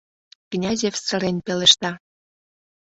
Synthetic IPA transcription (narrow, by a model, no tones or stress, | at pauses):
knʲɑzʲefsə̆ɾenʲpeleʃt̪ɑ